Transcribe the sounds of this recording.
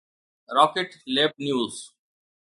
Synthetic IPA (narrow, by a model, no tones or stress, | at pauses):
ɾɔːkeʈleːpnjuːz